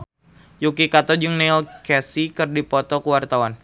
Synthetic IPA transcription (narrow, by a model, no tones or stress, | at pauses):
jukikat̪ɔd͡ʒuŋnelkɛsikɨrdipɔt̪ɔkuwart̪awan